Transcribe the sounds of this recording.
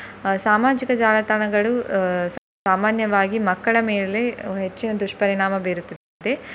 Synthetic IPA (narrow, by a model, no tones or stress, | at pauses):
saːmaːd͡ʒikɐd͡ʒaːlɐt̪aɳɐɡɐɭus | aːmaːnjɐʋaːɡimɐkːɐɭɐmeːle̞ɦet͡ʃːinɐd̪ɾuʂʈpɐɾiɳaːmɐbeːɾut̪ːi | d̪e